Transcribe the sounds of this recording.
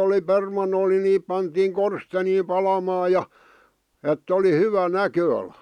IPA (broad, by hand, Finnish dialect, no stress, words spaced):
oli permɑnˑol ni niːp pɑntiːŋ korsteniːm pɑlɑmɑːj̆ jɑ etː oli hyʋæ nækøɑlɑ̥